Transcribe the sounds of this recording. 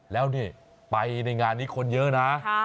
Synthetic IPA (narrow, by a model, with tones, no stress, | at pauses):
lɛː˦˥wniː˥˩ | pa˧jna˧jŋaː˧nːiː˦˥kʰo˧njɤ˦˥ʔna˦˥